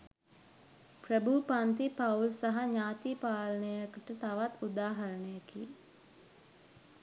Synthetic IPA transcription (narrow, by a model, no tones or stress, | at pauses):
prəbʱupant̪ipaulsaɦaɲaːt̪ipaːlənəjəkəʈət̪aʋat̪ud̪aːɦɐɾəɳəjəkḭ